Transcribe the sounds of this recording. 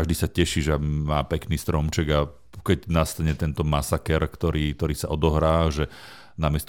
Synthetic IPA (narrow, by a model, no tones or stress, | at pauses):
aʒd̪iːsacɛʃiʒamaːpɛkniːst̪ɾɔmt͡ʃɛɡa | kɛɟnast̪aɲɛt̪ɛnt̪ɔmasakɛɾkt̪ɔɾiːk̚t̪ɔɾiːsaʔɔd̪ɔɦɾaːʒɛ | namɪɛst̪